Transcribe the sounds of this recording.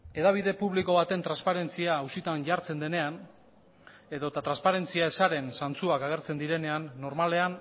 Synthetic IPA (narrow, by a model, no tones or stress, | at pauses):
e̞ðaβ̞iðe̞puβliko̞βat̪e̞nt̪ɾanspaɾe̞nt͡siaːusit̪aɲʝaɾt͡se̞nd̪e̞ne̞an | e̞ðo̞t̪at̪ɾanspaɾe̞nt͡siaesaɾe̞nsant͡suakaɣ̞e̞ɾt͡se̞nd̪iɾe̞ne̞anːo̞ɾmale̞an